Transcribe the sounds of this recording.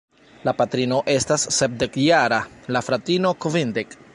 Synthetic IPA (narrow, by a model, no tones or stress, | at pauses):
lapatɾino̞ʔe̞stasːep̚de̞kjaɾalafɾatinokovindek